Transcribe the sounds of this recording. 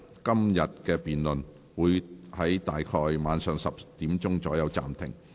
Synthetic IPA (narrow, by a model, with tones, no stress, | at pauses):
kɐ˥mjɐ˨t̚kɛː˧piː˨nlɵ˨n | wuː˨˧jhɐ˨˥jt̪aː˨jkʰɔː˧jmaː˨˧nsœː˨ŋsɐ˨p̚t̪iː˨˥mt͡sʊ˥ŋt͡sɔː˨˥jɐ˨˧wt͡sa̰ː˨mt̪ʰɪ̰˨˩ŋ